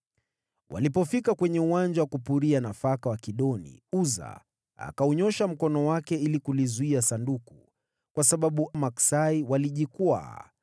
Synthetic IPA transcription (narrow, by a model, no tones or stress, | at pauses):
wʔa̰lipɔfikakwɛɲɛuwand͡ʒawakupuɾianafakawakiɗɔnḭuza̰ | a̰kaɔɲɔʃam̩kɔnɔwakɛilikulizuiasanduku | kwasaɓaɓumaksaiwaliʄikwa̰ː